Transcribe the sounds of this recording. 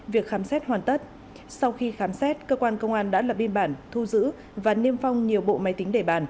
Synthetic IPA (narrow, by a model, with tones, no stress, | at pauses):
vi˨˩ək̚xaː˨˦msɛ˦˥t̚hwaː˨˩nt̪ə˦˥t̚ | sa˧wxi˧xaː˨˦msɛ˦˥t̚kəː˧kwaː˧nkə˧wŋ͡mʔaː˧nɗa̰ː˧˥laː˨˩ɓi˧nɓaː˧˩nt̪ʰu˧zɨ̰˧˥ | vaː˨˩ni˧əmfa˧wŋ͡mɲi˨˩əwɓo̰˧˨ma˨˦jt̪ï˨˦ŋ̟ɗe˧˩ɓa̰ː˧˩n